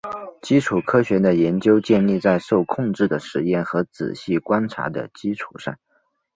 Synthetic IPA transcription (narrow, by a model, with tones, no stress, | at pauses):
t͡ɕi˥ʈ͡ʂʰu˨˩kʰɤ˥ɕɥɛ˧˥d̪ə˧jɛ˧˥nt͡ɕjo˥ʊt͡ɕjɛ˥˧nli˥˧t͡sa˥˧ɪʂo˥˧ʊkʰʊ˥˧ŋʈ͡ʂɻ̩˥˩d̪ə˩ʂɻ̩˧˥˦jɛ˥˩nxɤ˧˥t͡sɹ̩̰˨˩ɕi˥˩kwa˥nʈ͡ʂʰa̰˧˥d̪ə̰˧t͡ɕi˥ʈ͡ʂʰu˨˩ʂa̰˥˩ŋ